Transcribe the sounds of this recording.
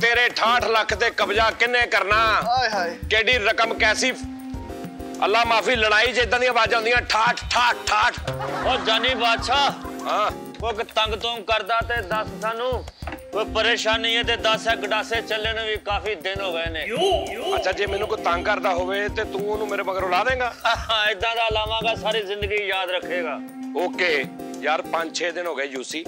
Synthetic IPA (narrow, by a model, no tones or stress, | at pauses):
t̪eːɾeːʈʰãːʈʰləkʰt̪eːkəpd͡ʒaːkɪnːẽːkəɾnaː | keːɽiːɾəkəmkɛːsiː | ə̰lːaːmaːpʰiːləɽaːiːd͡ʒeːd̪ãːd̪ijãːbaːd͡ʒãːʊ̃nd̪ijãːʈʰaːʈʰʈʰaːʈ̚ʈʰaːʈʰoːd͡ʒaːniːbaːt̪ʃʰaːɦãː | okt̪əŋɡt̪õːɡkəɾd̪aːt̪eːd̪əssaːnũːkopəɾeːʃaːniːeːt̪eːd̪əsɛkɖaːseːt͡ʃəleːneːʋiːkaːfiːd̪ɪnɦoːɡəeːneːətːt͡ʃʰaːd͡ʒeːmɛːnũːkot̪əŋɡkəɾd̪aːɦoːʋeːt̪eːt̪ũːʊnũːmeːɾeːbəɡəɾoːlaːd̪ẽːɡaːɦãːɪd̪ːãːd̪aːlaːmãːɡaːsaːɾiːzɪ̃nd̪əɡiːjaːd̪ɾəkʰːeːɡaː | oːkeː | jaːɾpəɲd͡ʒt͡ʃʰeːd̪ɪnɦoːɡəeːd͡ʒuːsiː